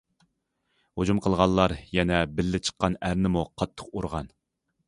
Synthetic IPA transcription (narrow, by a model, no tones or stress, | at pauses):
hod͡ʒumqʰəlˠʁɑnlˠlːˠɑɾjɛnɛbɪlːɪt͡ʃʰə̥qːɑnæɾnɪmuqʰɑt̪ʰːə̥qoɾʁɑn